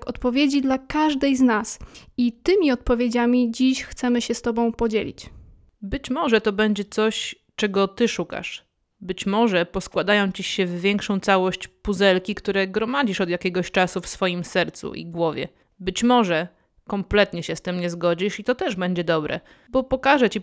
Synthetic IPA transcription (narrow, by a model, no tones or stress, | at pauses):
kɔt̪pɔvʲjed͡ʑid̪lakaʐd̪ɛjznasit̪ɘmʲiɔt̪̚pɔvʲjed͡ʑamʲid͡ʑiɕxt̪sɛmɘɕɛst̪ɔbɔ̃w̃pɔd͡ʑelʲḭt͡ɕ | bɘt͡ɕmɔʐɛt̪ɔbɛɲd͡ʑɛt̪sɔɕ | t͡ʂɛɡɔt̪ɘʂuka̰ʂ | bɘt͡ɕmɔʐɛpɔskwad̪ajɔ̃w̃t͡ɕiɕɛvːʲjɛŋkʂɔ̃w̃t̪sawɔɕt͡ɕpuzɛlkʲikt̪uɾɛɡɾɔmad͡ʑiʂɔd̪jakʲɛɡɔɕt͡ʂasufsfɔjimsɛɾt̪sṵʔḭɡwɔvʲjɛ̰ | bɘt͡ɕmɔʐɛ | kɔmplɛt̪ɲɛɕɛst̪ɘmɲɛzɡɔd͡ʑiʂit̪ɔt̪ɛʐbɛɲd͡ʑɛd̪ɔbɾɛ̰ | bɔpɔkaʐɛt͡ɕi